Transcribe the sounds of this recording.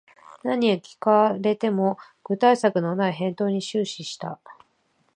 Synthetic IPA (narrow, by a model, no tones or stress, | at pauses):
naɲ̟iokʲi̥kaɾe̞t̪e̞mo̞ | ɡ̥ɯ̟t̪aisakɯ̟no̞naiɦẽ̞nt̪o̞ːɲ̟iɕɨːɕiɕi̥t̪a̰